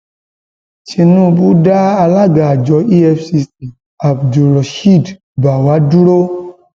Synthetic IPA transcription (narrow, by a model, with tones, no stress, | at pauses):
t͡ʃe˧nũ˦˨bu˦ɖa˦a˧la˦ɡa˨a˨d͡ʒɔ˨˧i˦ɛ˦fsi˧si˨ | a˨bdu˨lɔ˨ʃi˦˨d | ba˨wa˨˦du˦ɾo˦